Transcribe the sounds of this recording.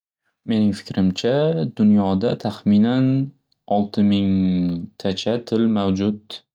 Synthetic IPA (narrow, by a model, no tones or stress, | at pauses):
me̞nɪŋfɪ̥kʲɾɪmt͡ʃʰad̪ʊnjɒd̪at̪ʰaχmɪnan | ɒlˠt̪ʰɪmɪŋt̪ʰat͡ʃʰat̪ʰɪlmawd͡ʒʊd̪̚